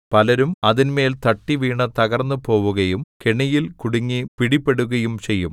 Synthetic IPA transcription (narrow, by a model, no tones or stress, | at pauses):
pɐlɐɾumɐðinme̞ːlt̪ɐʈːiʋiːɳɐt̪ɐɣɐrnːupo̞ːʋuɣɐjumkeɳɐjilkuɽiŋːipiɽipːe̞ɽuɣɐjumt͡ɕe̞jːum